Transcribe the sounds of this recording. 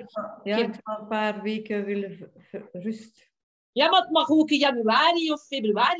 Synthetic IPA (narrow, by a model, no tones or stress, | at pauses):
jaɛtalˠənpaːrʋeːkəʋɪlə | rʏst | jaːmaət̚mɑxoːkəjɑnyaːɾiɔfːebryaːri